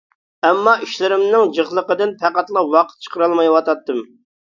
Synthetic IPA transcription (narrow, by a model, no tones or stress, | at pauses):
ɛmːɑiʃlɪɾɪmnɪŋd͡ʒəχlˠəqəd̪ɨnpʰæqæt̪lˠɑwɑqʰə̥t̪̚t͡ʃʰə̥qʰəɾɑlˠmɑjwɑt̪ɑt̪ːɨm